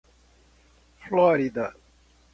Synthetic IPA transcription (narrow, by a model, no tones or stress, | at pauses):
flɑːɾid̪a